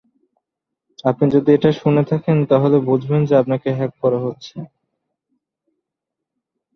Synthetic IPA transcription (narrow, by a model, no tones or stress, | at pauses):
apnid͡ʑod̪ieʈaʃunet̪ʰakent̪aɦolebud͡ʑʱbend͡ʑeap̚nakeɦɛk̚kɔɾaɦotːɕʰe